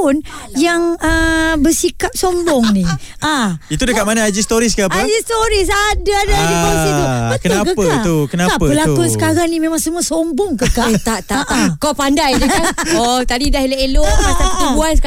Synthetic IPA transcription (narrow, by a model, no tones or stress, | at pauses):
ʊnjaŋəbəsikap̚sombɔŋniʔait̪udəkkat̪̚manaad͡ʒist̪oɾiskaaəd͡ʒist̪oɾisadaadaiasit̪ubətkəakəpəat̪ukənaaəpəlakʊnsə̥kaɾaŋnimẽmaŋsəmũasombɔŋkəkat̪aʔt̪aʔakawpandajdəaɔt̪adidahilaeloʔat̪aubuanska